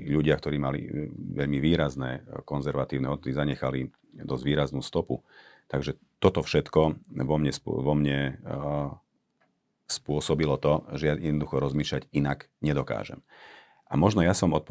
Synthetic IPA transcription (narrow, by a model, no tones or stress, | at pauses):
ʎuɟɪak̚t̪ɔɾiːmalḭʋɛʎmiʋiːɾaznɛːkɔnzɛɾʋat̪iːʊnɛɔd̪d̪izaɲɛxali | d̪ɔzɟʋiːɾaznuːst̪ɔput̪aɡʒɛ | t̪ɔt̪ɔfʃɛt̪kɔʋɔmɲɛsʋɔmɲɛ | spʊɔsɔbilɔt̪ɔʒɛjajɛd̪nɔd̪uxɔɾɔzmiːʃʎaɟinaɡ | ɲɛd̪ɔka̰ːʒɛ̰m | ʔamɔʒnɔjasɔmɔt̪pɔ